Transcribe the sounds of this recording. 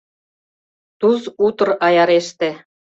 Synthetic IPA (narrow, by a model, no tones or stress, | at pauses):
t̪uzut̪ɤ̆rɑjɑɾeʃt̪ĕ